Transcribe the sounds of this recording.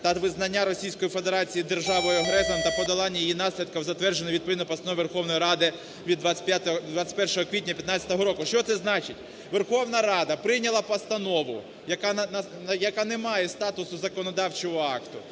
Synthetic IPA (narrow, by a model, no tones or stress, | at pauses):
t̪ɐʋɪznɐnʲːaɾɔsʲijsʲkɔjife̞d̪eɾɑt͡sʲijid̪erʒɑʋɔjɐɦɾɛsɔnt̪ɐpɔd̪ɐlˠɑnʲːɐjijinɑsʲlʲid̪̚kɐwzɐt̪ʋɛrd͡ʒenɪʋʲid̪pɔʋʲinɔpɔst̪ɐnɔʋʲiʋerxɔwnɔjiɾɑd̪ɪ | ʋʲid̪ʋapʲjat̪d̪ʋat͡sʲɪ̥tʲpɛrʃɔɦɔkʋʲit̚ʲnʲɐpʲjɐt̪nɑt͡sʲɐ̥t̪ɔɦɔɾɔkʊʃt͡ʃɔt̪sɛznɑt͡ʃɪtʲ | ʋerxɔwnɐɾɑd̪ɐpɾɪjnʲɐlˠɐpɐst̪ɐnɔʋʊ | jɐkannɐ | jɐkɑnemɑjɛst̪ɑt̪ʊsʊzɐkɔnɔd̪ɑwt͡ʃɔɦɔɑkt̪ʊ